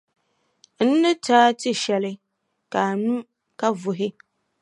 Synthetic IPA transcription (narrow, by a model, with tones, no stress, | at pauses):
n̩˦nɨ˦taː˦tɪ˦ʃɛ˨lɪ˦ | ka˨nu˦ | ka˦vʊ˨ɦɪ˦